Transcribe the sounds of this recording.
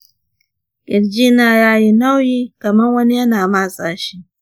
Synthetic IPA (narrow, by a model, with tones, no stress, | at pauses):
kʲʼɪ˨ɽd͡ʒiː˦naː˨ɽaː˦ji˦na˦wjiː˦kɐ˨mɐ˦nwɐ˦ni˦jɐ˦naː˨maː˦sʼaː˨ʃi˦ʔ